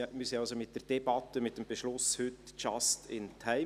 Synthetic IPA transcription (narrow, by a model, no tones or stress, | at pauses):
mysiɑlsomɪt̚d̥eɾd̥ɛbɑt̪əmɪt̚d̥eːmbeʃlʊshʏtt͡ʃɑstɪntʰaɪ